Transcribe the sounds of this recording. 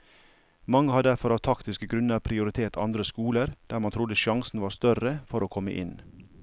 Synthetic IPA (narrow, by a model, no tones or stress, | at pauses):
mɑŋːəhɑd̪æɾfɔɾɑːʋt̪ʰɑkt̪ɪskəɡɾʉnəɾpʰɾɪʊɾɪt̪ʰeːt̪ʰɑ̰nd̪ɾəskuːləɾd̪̥æːɾmɑnt̪ʰɾʊd̪əʃɑŋsn̩ʋɑːɾst̪œrəfɔɾoːkʰɔmə̰ʔɪ̰n